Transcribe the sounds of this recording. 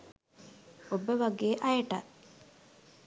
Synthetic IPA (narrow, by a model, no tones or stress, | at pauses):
obəʋaɡeːʔajəʈat